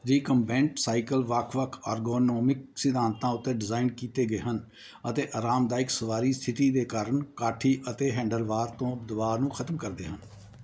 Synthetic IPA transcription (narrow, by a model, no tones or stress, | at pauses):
ɾiːkəmpɛ̃ːɳʈsaːikəlʋəkʰʋəkʰaːɾɡoːnoːmɪk̚sɪd̪ʱaːnt̪ãːʊt̪ːeːɖɪzaːɪnkiːt̪eːɡəeːɦən | ət̪eːʔaːɾaːmd̪aːɪksəʋaːɾiːsɪʈiːd̪eːkaːɾəɳkaːʈʰiːʔət̪eːɦɛ̃ːɳɖəlʋaːɾt̪õːʊpd̪əʋaːɾnũːkʰət̪mkəɾd̪ḛːɦən